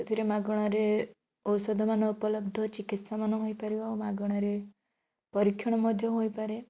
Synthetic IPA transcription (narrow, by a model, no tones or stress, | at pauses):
t̪ʰiɾemaɡɔɽ̃aɾe | ɔsɔd̪ʱɔmanɔupɔlɔbd̪ʱɔt͡ʃikit̪samanɔɦojpaɾiawmaɡɔɽ̃aɾe | pɔɾikʰːjɔɽ̃ɔmɔd̪ʱjɔɦojpaɾe